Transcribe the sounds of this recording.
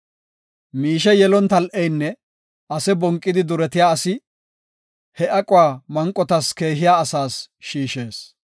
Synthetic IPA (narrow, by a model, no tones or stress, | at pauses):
miːʃɛjɛlɔnt̪ɐlʔɛjnːɛ | ʔɐsɛbɔŋkʼːɪd̪ɪd̪ʊɾɛt̪ɪjaːɐsɪ | hɛʔɐkʼʊwaːmɐŋkʼːɔt̪ɐske̞ːɦɪjaːɐsaːsʃiːʃe̞ːs